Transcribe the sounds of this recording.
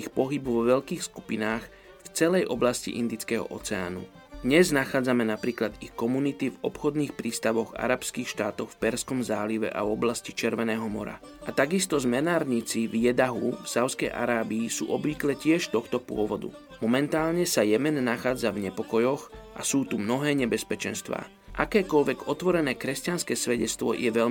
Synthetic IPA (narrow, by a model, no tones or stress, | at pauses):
ixpɔɦibʋɔʋɛʎkiːxsku̥pinaːx | ft͡sɛlɛjʔɔblascḭʔḭnd̪it͡skɛːɦɔ̰ʔɔt͡sɛa̰ːnṵ | d̪ɲɛznaxaːd͡zamɛnapɾiːklad̪ixkɔmunit̪ivɔpxɔd̪niːxpɾiːst̪aʋɔɣa̰ɾapskiːxʃt̪aːt̪ɔxfpɛɾskɔmzaːliʋɛ̰ʔa̰vɔblascit͡ʃɛɾʋɛnɛːɦɔmɔ̰ɾa̰ | ʔat̪aɡist̪ɔzmɛnaːɾɲit͡sivjɛd̪aɦufsaʊskɛjʔa̰ɾaːbiːsṵːʔɔbʋiklɛcɪɛʃt̪ɔxt̪ɔpʊɔʋɔd̪ṵ | mɔmɛnt̪aːlɲɛsajɛmɛnːaxaːd͡zavɲɛpɔkɔjɔɣʔa̰suːt̪umnɔɦɛːɲɛbɛspɛt͡ʃɛnst̪ʋa̰ː | ʔa̰kɛːkɔʎʋɛɡɔt̪ʋɔɾɛnɛːkɾɛscanskɛːsʋɛɟɛt͡st̪ʋɔ̰jʔɛʋɛʎ